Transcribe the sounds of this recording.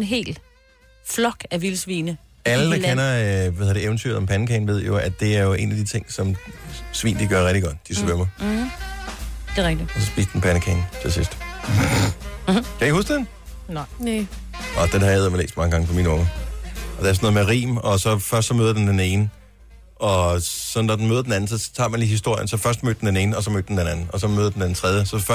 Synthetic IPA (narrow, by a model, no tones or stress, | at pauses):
nɦe̝̰ːl̥ | flɒɡ̥æʋilsʋiːnəælədækenɐʋæhðˠd̥eeʊn̩t͡sʰyḛlɒ̽mpʰænəkʰɛnʋe̝ð̞̰ˠjo̝æ̥d̥e̝æɐjo̝ʔe̝̰ːnæd̥it͡sʰe̝ŋ̰sɒ̽msʋḭːnd̥iɡ̥ɶɐʁɛɡ̥̚d̥iɡ̥ɒ̽d̥d̥ismøɐmɐ | d̥e̝ʁɛɡ̥d̥iɒsɒ̽sb̥ḭːsd̥enpʰænəkʰɛːnt͡sʰesisd̥ | kʰæeɡ̥husɡ̥d̥en | n | ɒd̥enhɑeðˠmelḛːsd̥mɑ̈ŋəɡɑ̈ŋəpʰɒminɔ̽ŋɐɒd̥eɐs̬noðˠmeʁḭːmɒ̽sɒ̽fɶɐsd̥sɒ̽møːð̞ˠd̥end̥ene̝ːnə | ʔɒ̽sɒ̽nːɒd̥enmøːðˠɐd̥enæn̩sɒ̽t͡sʰɑ̰̈ːmænliːhisd̥o̝ɐ̰jənsɒ̽fɶɐsd̥mø̰d̥end̥ene̝ːn̩ɒ̽sɒ̽mø̰ːd̥̚ːend̥enænn̩ɒ̽sɒ̽møːðˠɐd̥en̩d̥ent͡sʰʁɛð̞ˠjəsɒ̽f